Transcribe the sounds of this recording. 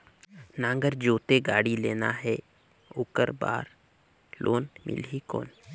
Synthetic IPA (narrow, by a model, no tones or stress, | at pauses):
nãːŋɡəɾd͡ʒoːt̪eɡaːɽileːna̰ɦɛ | ʊkə̰ɾba̰ːɾ | lʔoːnmʔɪ̰lɦiko̰ːn